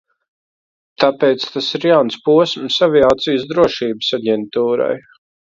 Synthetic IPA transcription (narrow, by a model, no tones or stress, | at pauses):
t̪apeːt̪st̪asiɾjawnspuɔsmsaviaːt̪sijs̬d̪ɾuɔʃiːbəsaɟʲɛnt̪uːɾa̰j